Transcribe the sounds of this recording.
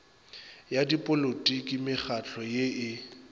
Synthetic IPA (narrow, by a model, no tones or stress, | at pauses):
jadipʼolotʼikʼimɪχat͡ɬʰɔjeʔɪ